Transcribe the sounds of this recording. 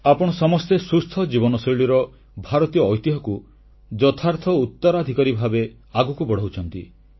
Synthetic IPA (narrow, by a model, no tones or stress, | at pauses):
apɔɽ̃ɔsɔmɔst̪esust̪ʰɔd͡ʒibɔnɔsiɽiɾɔ | bʱaɾɔt̪ijɔːjt̪iɦɔku | d͡ʒɔt̪ʰaɾt̪ʰɔut̪ːɔɾad̪ʱikɔɾibʱabe | aɡukubɔɽ̤ɔɦut͡ʃʰɔnt̪ḭ